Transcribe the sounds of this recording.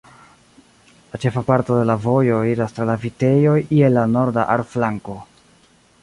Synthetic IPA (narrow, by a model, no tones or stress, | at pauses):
lat͡ʃe̞fapaɾto̞de̞lavo̞jo̞iɾastɾalavite̞jo̞jʔielːano̞ɾdaʔaɾflaŋko̞